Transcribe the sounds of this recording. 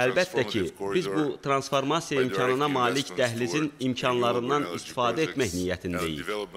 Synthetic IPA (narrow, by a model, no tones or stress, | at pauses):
ælbæt̪ʰːæcʰib̥izbut̪ʰɾɑnsfo̞ɾmɑsijɑimcʰɑnɯnɑmɑːlicd̪æɦlizinimcʰɑnlˠɑɾɯnd̪ɑnist̪i̥fɑːd̪æet̪mæçnijæt̪ʰind̪ḛjḭɾ